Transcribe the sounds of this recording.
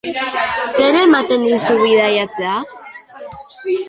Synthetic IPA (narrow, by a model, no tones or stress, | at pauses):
seɾemat̪eninsuβiðajat͡sea